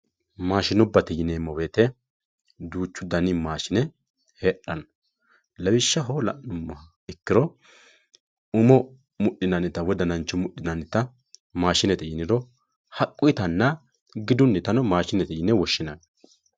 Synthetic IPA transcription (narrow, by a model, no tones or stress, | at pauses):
maːʃɪnɔbːɐt̪ɛjɪneːmɔweːt̪ɛ | d̪uːt͡ʃːʊd̪ɐnɪmaːʃɪnɛ | heːɗɐnɔ | lɐwɪʃːɐɦoːlɐ̰ʔnʊmːɐ | ɪkːɪɾɔ | ʊmɔ | mʊɗːɪnɐnɛt̪ːɐwɔd̪ɐnɐnt͡ʃːɔmʊɗɪnɐnɪt̪ːɐ | maːʃɪnɛt̪ɛjɪnɪɾɔ | hɐkʼːʊjɪt̪ɐnːɐ | ɡɪd̪ʊnːɛt̪ɐnɔmaːʃɪnɛt̪ɛjɪnɛwɔʃːɪnɐn